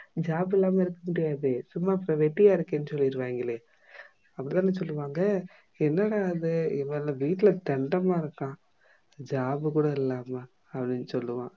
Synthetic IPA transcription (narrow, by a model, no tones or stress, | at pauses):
d͡ʒaːbɛlːaːmɐɪɾɯkːɐmʊɽɪjaːðɯsʊmːaːpːɐɾɐ̃ʋɛʈːɪjaːɪɾɯkːeːnːɯsɔlːɪɪɾɯʋaːŋɡɐleː | ɐpːɐɽit̪ãːnːɐsɔlːɯʋaːŋɡɐ | ɛnːɐɽaːðɯɪmeːlɐʋiːʈːɪlɐt̪ɛɳɖɐmaːɪɾɯkːãː | d͡ʒaːbɯkuːɽɐɪlːaːmɐ | ɐpːɐɽɪnːɯsɔlːɯʋã̰ː